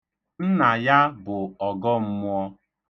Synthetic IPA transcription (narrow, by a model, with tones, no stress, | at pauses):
n̩˦na˨ja˦bʊ˨ɔ˨ɡɔ˦m̩˦mʊ˦ɔ˦